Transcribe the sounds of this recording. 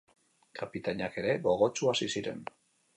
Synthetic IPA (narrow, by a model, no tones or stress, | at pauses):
kʰapit̪aɲake̞ɾe̞ɣo̞ɣ̞o̞t͡ʃuasisiɾe̞̰n